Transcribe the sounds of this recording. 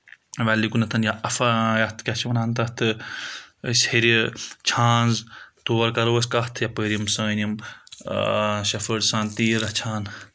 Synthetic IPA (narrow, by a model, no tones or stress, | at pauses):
ʋaːlikunɐt̪ʰɐnjaʔɐfajɐt̪ʰkʲat͡ʃʰiʋɐnaːnt̪ɐt̪ʰɨ | sheɾit͡ʃʰãːnzt̪oːɐɾkɐɾoɐsʲkɐht̪ʰjapəɾiɐmsɐːnim | ʃɐfəɖsãːnt̪iːɾɐt͡ʃʰaːn